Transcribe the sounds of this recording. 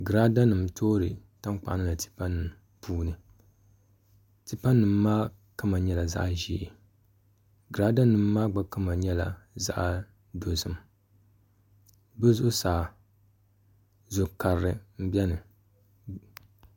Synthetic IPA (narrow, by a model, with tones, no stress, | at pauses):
ɡɨ˨ɾa˦da˦nɨ˨mtʰoː˦ɾɨ˨ | ta˦mk͡pa̰˨ʔnɨ˦la˨ti̥˦pa˦nːɨ˨m˨ | pʰuː˦nɨ˨ | ti˦pa˦nːɨ˨mː˦aː˦ | ka˦ma˨ɲɛ˦la˨za̰˦ʔʒiː˨ | ɡɨ˨ɾa˦da˦nɨ˨mː˦aː˦ɡ͡ba˦ka˦ma˨ɲɛ˦la̰˨za̰˦ʔ | do˨sɨ˦˨m | bɨ˦zʊ˦ʔʊ˦saː˨ | zo˨ka˨ɾɾɨ˨m̩˦bɛ˦nɨ˨